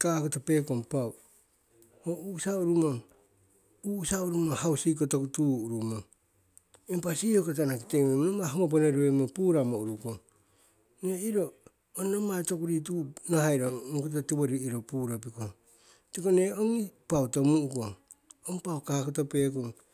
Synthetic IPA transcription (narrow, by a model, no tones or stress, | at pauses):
kaːkotope̞ːkoŋpaw | ousauɾumo | usauɾumohawsik̬otokutuːɾumo | empasihokot̬anakitememnomaɦoŋop̬oneɾuemopuːɾamouɾukoŋ | neiɾo | onomatokuɾit̬unahajɾoukot̬otiβoɾiiɾopuːɾopiko | tikoneoŋipawtomuukoŋ | oŋpawkakotope̞ːkoŋ